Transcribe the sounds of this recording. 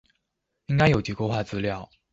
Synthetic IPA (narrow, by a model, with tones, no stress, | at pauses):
i˥ŋka˥ɪjo˨˩ʊt͡ɕi˧˥ko˥˧ʊxwa˥˩t͡sɹ̩˥ljɑ˥˩ʊ